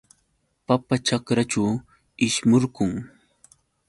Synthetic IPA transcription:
papat͡ʃakɾat͡ʃaw | ɪʃmoɾɢʊŋ

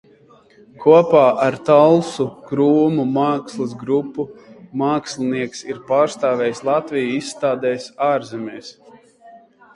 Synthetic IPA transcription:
kʰuɔpaːʔaɾt̪alˠsukɾuːmumaːkslˠɨsɡɾupːumaːkslʲˠiniɛksiɾpaːɾst̪aːvʲɛːjslˠat̪vijuisːt̪aːd̪ɛːjsaːɾzɛmʲɛːs

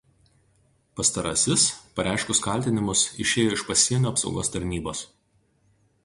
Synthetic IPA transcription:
pɐst̪ɐɾɐ̰ːsʲɪspɐɾʲʔæˑɪʃkʊskɐlʲt̪ʲɪnʲɪmʊsɪʃʲeːjoːɪʃpɐsʲiɛnʲuːɐpsɒ̰ʊɡoːst̪ɐɾʲnʲiːboːs

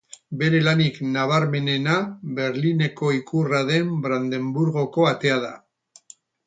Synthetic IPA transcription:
be̞ɾe̞laniknaβ̞aɾme̞ne̞naβe̞ɾline̞ko̞ikuraðe̞mbɾand̪e̞mbuɾɣo̞ko̞at̪e̞að̞a

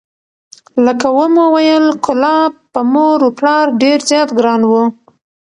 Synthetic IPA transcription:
ləkawəmowajəlkʊlɑb̚pəmoɾoplɑɾɖeɾzjɑt̪ɡɾɑnwu

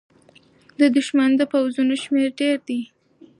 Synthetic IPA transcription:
d̪əd̪ʊʃmand̪əpawzunoʃmeɾɖeɾd̪i

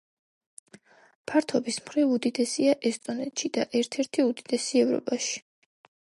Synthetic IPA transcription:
pʰaɾt̪ʰɔbismχɾivud̪id̪ɛsiaʔɛst̪ʼɔnɛt̪ʃid̪̥aʔɛɾt̪ʰɛɾt̪ʰiud̪id̪̥ɛsiɛvɾɔ̰pʼaʃi̥

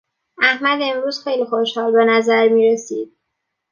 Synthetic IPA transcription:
æhmæd̪e̞mɾuːz̥xe̞jliːxo̞ʃhɒːlbenæzæɾmiːɾesḭːd̪̥̚

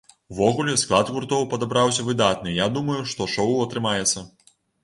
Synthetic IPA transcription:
uvɔɣulʲɛsklˠad̪ɣurt̪ɔwpɐd̪abɾawsʲɐvɨd̪at̪̚nɨjad̪umɐjuʂt̪ɔʂɔwɐt̪ɾɨmajɛt̪sːɐ

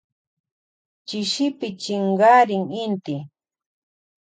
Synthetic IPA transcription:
t͡ʃɪʃɪpɪt͡ʃɪɴɢɑːɾɪŋɪnt̪ɪ

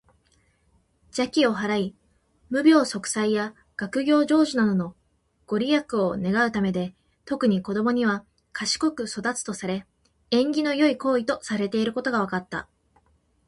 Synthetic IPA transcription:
d͡ʑakʲio̞ɦaɾai | mɯ̟bʲjo̞ːso̞kɯ̟̥saija | ɡ̥akɯ̟ɡʲo̞ːʑo̞ːʑinad̪o̞no̞ | ɡ̥o̞ɾʲijakɯ̟o̞ne̞ɡaɯ̟t̪ame̞d̪e̞ | t̪o̞kɯ̟ɲ̟iko̞d̪o̞mo̞ɲ̟iβ̞a | kʰaɕi̥ko̞kɯ̟so̞d̪at͡sɨ̥t̪o̞saɾe̞ | ẽ̞ŋɡʲino̞jo̞iko̞ːit̪o̞saɾe̞t̪e̞iɾɯ̟ko̞t̪o̞ɡaβ̞akat̪ːa̰

